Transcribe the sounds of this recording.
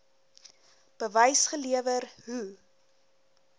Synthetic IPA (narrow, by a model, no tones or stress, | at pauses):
b̥əvəjsχəliəvərɦu